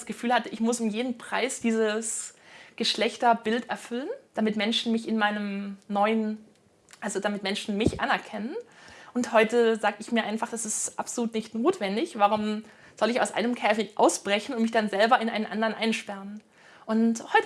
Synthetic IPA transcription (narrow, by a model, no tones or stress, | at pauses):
sɡ̥əfyːlhatəʔɪçmʊsʊmjeːdn̩pʁ̥aɪsd̥iːzəsɡ̥əʃlɛçtɐbɪltɛɐfʏlənd̥amɪtmɛnʃn̩mɪçɪnmaɪnəmnɔʏən | ʔalzodamɪtmɛnʃn̩mɪçʔa̰nɛɐkʰɛnənʔʊnthɔʏtəzaːɡəɪçmiːɐʔaɪnfaχd̥asɪstʔa̰pz̥oluːtnɪçtnoːtv̥ɛndɪçvaʁ̞ʊm | z̥ɔlɪçaʊsʔa̰ɪnəmkʰɛːfɪçʔa̰ʊsb̥ʁɛçn̩ʊntmɪçd̥anzɛlbɐɪnʔa̰ɪnənʔa̰ndɐʁənʔa̰ɪnʃpɛʁ̞ən | ʔʊnthɔʏt